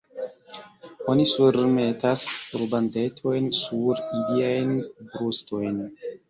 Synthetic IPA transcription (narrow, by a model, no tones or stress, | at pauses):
onisuɾmetasuɾbandetʰo̞jnsuɾiliajnbɾusto̞jn